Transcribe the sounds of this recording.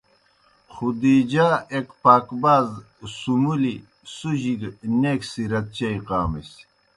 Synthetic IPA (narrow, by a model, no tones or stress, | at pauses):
χud̪iːd͡ʑaːekpaːkbaːz | sumuli | suʑiɡneːksiɾɐt̪̚t͡ɕɐiqaːmes